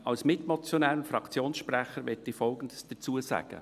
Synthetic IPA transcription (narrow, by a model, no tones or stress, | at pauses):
ɑwsmɪtmɔt͡sjɔnɛːɾənfɾɑkt͡sjoːnsʃpɾɛχəɾʋɪtdifɔlɡən̩dəsd̥ɛt͡suːəsæ̰ːɡ̥ə̰